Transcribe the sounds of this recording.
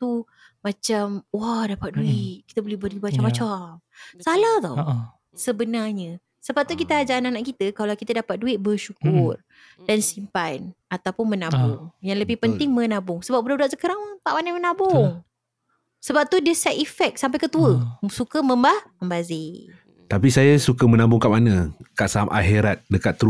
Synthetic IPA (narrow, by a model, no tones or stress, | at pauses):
t̪u | mãt͡ʃamwahdapat̪̚duɪʔ̚kit̪əbolɛhbərduibat͡ʃamat͡ʃam | salaht̪ɔ̰ | səbənarɲə | səbap̚t̪uk̬it̪əad͡ʒananaʔkit̪əkalawkit̪ədapat̪̚duɪʔ̪̚bərʃukʊr | dansimpanat̪awpʊnmənabʊŋjaŋləbɪhpənt̪ɪŋmə̃nãbʊŋsəbap̚budaduaʔsəkəɾaŋp̪aʔmanamənabʊŋ | səbap̚t̪udəsɛt̪ifɛk̚samp̬ajkət̪uəsukəmə̃mbahməmbazɪ | t̪apisajasukamə̃nãbʊŋkaʔmanãkaʔsaamʔa̰ɦiɾat̪̚dəkat̪ːɾu